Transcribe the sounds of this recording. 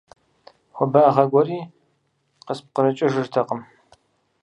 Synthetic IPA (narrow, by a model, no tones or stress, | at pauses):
xʷɔbɐʁɐɡʷɔriː | qəsp̚qəɾɨt͡ʃʼɐʒɨrtʰɐqəm